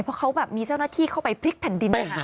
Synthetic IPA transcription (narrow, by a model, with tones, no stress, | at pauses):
jpʰɔ˦˥kʰa˦˥wbɛː˨˩p̚miː˧t͡ɕa˥˩wnaː˥˩t̪ʰiː˥˩kʰa˥˩wpa˧jpʰɾi˦˥k̚pʰɛ˨˩ndi˧nː˧˩˧